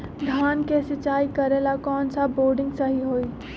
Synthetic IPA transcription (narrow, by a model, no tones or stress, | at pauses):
ɡ̪ʱaːnkesɪt͡ʃaːikəɾeːlakɔːnsaboːɾɖɪ̃ŋɡsəɦiɦoːiː